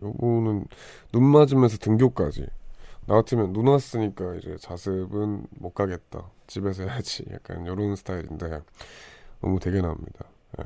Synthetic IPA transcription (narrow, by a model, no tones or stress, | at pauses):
jobonɯnː | unmad͡ʑimjʌns̬ʰʌtɯŋɡjok͈a̰d͡ʑḭnaɡatʰɯmjʌnːunas͈ɯɲik͈aid͡ʑe̞̰t͡ɕasʰɯbɯnmok͈aɡe̞t̚t͈a̰ | t͡ɕibe̞sʰʌjad͡ʑija̰k̚k͈a̰njʌɾonsʰɯ̥tʰaiɾinde̞ | nʌ̰mute̞ɡenamɲḭd̥a | jḛ